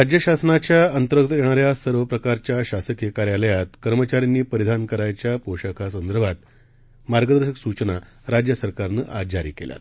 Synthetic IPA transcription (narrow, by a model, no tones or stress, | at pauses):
ɾad͡ʑjəɕasənat͡ɕjaənt̪əɾəkt̪jeɽ̃aɾjasəɾʋəpɾəkaɾt͡ɕjaɕasəkjekaɾjaləjat̪kəɾmət͡ɕaɾinːiːpəɾid̪ʱankəɾajt͡ɕjapoɕəkʰasənd̪əɾbʱat̪̚ | maɾɡəd̪əɾɕəksut͡ɕəna | ɾad͡ʑjəsəɾkaɾnəʔad͡ʑaɾḭːkelja̰t̪